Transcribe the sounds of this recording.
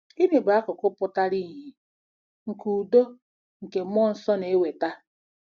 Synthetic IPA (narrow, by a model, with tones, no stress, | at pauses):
i˦ne˨bʊ˨a˦kʊ˨kʊ˦pʊ˦ta˦ɾi˦ɦi˨ | ŋ̩˨ku˨do˦ | ŋ̩˨ke˨m˦ɔ˦n̩˨sɔ˦ne˨˦we˨ta˦